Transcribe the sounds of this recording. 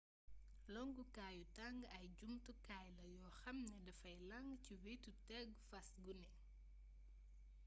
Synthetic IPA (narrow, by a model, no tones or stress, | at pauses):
lɔŋɡukaːjutɐŋɡɐjɟumtukaːjlɐjɔːxɐmnɛdɐfɐjlɐŋɡciwetutɛɡfɐsɡunɛ